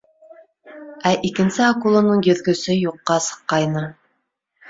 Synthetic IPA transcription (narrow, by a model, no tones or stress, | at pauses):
æʔikɘ̆nsɘɑkulˠɤ̆nɤɴjɵ̆ðɡɵ̆sɘjuqːɑsɤ̥̆qːɑjnɤ